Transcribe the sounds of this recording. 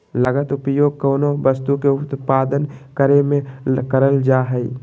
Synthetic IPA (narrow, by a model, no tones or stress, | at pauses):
ləɡət̪ʊpjoːɡ̚koːnoʋəst̪ukeʊt̪paːd̪ənkəɾemẽkəɾəld͡ʒaːɦɛi